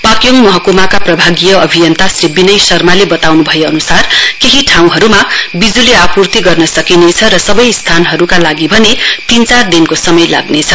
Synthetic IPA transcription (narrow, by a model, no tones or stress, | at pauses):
pakjoŋmʌɦʌkomakaprʌbʱaɡijʌʌbʱijʌnt̪asrebinʌjsʌrmalebʌt̪awnubʱʌjoːnusarkeɦiʈʰãw̃ɦʌɾumabid͡zuleapurt̪iɡʌrnʌsʌkinet͡sʰʌɾʌsʌbʌjst̪ʰanɦʌɾukalaɡibʱʌnet̪int͡sard̪inkosʌmʌjla̰ɡnet͡sʰʌ